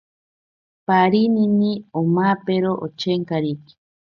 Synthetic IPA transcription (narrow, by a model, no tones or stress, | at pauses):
paɾininiomaːpeɾoʔo̰t͡ʃeŋkaɾiki̥